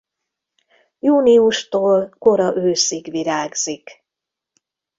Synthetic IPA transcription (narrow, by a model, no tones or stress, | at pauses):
juːniuʃt̪oːlko̞ɾɒʔøːsiɡʋiɾaːɡz̥ik